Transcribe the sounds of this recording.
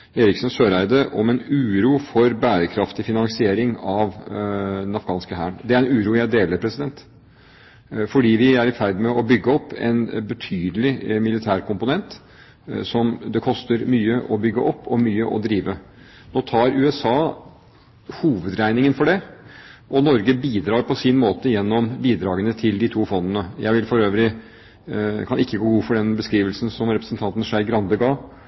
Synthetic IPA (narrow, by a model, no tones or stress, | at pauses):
eːɾɪksnsøːɾæɪd̪əʔɔmɛnʉːɾuːfɔɾbæːɾəkʰɾɑft̪ɪfɪnɑŋsɪeːɾɪŋɑʋd̪ɛnɑfɡɑːnskəɦæːɳd̪ɛæɾɛnʉːɾuːjæɪd̪eːləɾpʰɾɛsɪd̪ɛnt̪ | fɔɖiːʋɪæɾɪfæɾd̪ɪmɛɔbʏɡːəɔpːɛ̰nbət̪ʰyːd̪əlɪmɪlɪt̪ʰæːɾkʊmpʊnɛnt̪ | sɔmd̪ɛkʰɔst̪əɾmyːəʔɔbʏɡːəʔɔpːɔmyːəʔɔ̰d̪ɾiːʋə | noːt̪ʰɑːɾʉːɛsɑː | huːʋəd̪ɾæɪnɪŋənfɔɖɛ | ʔɔnɔɾɡəbiːd̪ɾɑːɾpʰɔsɪnmoːt̪əjɛnːɔmbiːd̪ɾɑːɡənət̪ʰɪld̪ɪt̪ʰuːfɔnd̪ənəjʔæɪʋɪlfɔɾøːʋɾɪ | kʰɑnɪkːəɡoːɡuːfɔɖɛnbəskɾiːʋəlsn̩sɔmɾɛpɾəsənt̪ʰɑnt̪n̩ʂæɪɡɾɑnd̪əɡɑː